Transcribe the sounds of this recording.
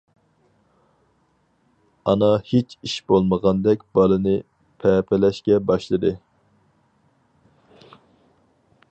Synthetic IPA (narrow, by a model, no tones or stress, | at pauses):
ɑnɑhet͡ʃʰiʃbolˠməʁɑnd̪ɛk̚ʲb̥ɑlˠɨnɨ | pʰɛpʰɪlɛʃkʲɛbɑʃlˠɨd̪ɨ